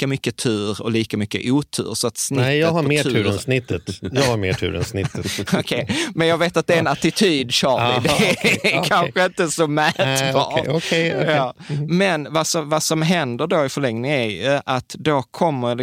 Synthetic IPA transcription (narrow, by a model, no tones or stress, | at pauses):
kamʏkːət̪ʰʉ̟ːɾɔ̰liːkamʏkːə̰ʔuːt̪ʰʉ̰ːɾsɔat̪snɪjɑːɡhaɾmeːʉːɾɛnsnɪt̪ːət̪jɑːɡhaɾmḛːʈʰʉ̰ːɾɛ̰nsnɪt̪ːokʰɛjmɛnjɑːɡveːt̪at̪̚d̪ɛɾɛnat̪ɪt̪ʰyːd̪ɕɑːɾɪd̪ɛkʰanɧəɪnt̪əsɔmæt̪bɑːɔɛjɑːmɛnvasɔvasɔmɦɛnd̪əɖoɪfœɭɛŋnɪŋæɾjɵʔat̪d̪okʰɔmːə